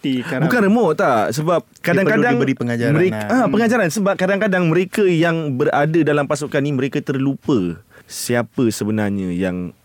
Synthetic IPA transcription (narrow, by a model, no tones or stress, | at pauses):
ibukanrəmɔʔt̪asəbap̚kaddaŋkadaiŋbəɾipəŋad͡ʒaməɾeapəŋad͡ʒaɾansəbap̚kadaŋkadaŋmə̃ɾekəjaŋbəradədalampasukanimə̃ɾekat̪ərlupəsiapəsəbənarɲə̃jaŋ